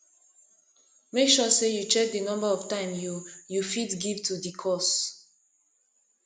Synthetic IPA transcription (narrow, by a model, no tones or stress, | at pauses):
mekʃɔsejut͡ʃɛk̚dənɔ̃mbaɔvtãɪ̃mjujufitɡivtudikʰɔs